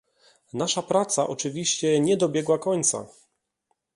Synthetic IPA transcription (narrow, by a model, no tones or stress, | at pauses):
naʂapɾat̪saʔɔt͡ʂɘvʲiɕt͡ɕɛɲɛd̪ɔbʲjɛɡwakɔɲt̪sa̰